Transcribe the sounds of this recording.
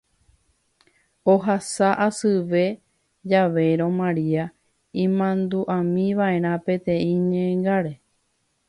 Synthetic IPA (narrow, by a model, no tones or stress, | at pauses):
oɦasaʔasɨʋe̞ | d͡ʒaʋe̞ɾõ̞mãɾia | ĩmãnd̪uʔãmĩʋaeɾ̃ãpẽ̞t̪ẽ̞ĩɲẽŋɡaɾe̞